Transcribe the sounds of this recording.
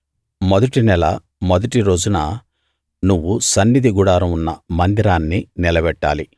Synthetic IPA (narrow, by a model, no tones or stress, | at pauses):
mɔd̪ɐʈinɛlɐ̰ | mɔd̪ɐʈiɾo̞ːd͡ʒunɐ | nuʋːusɐnːid̪iɡuɽaːɾɐmunːɐmɐnd̪iɾaːnːinilɐbɛʈːa̰ːli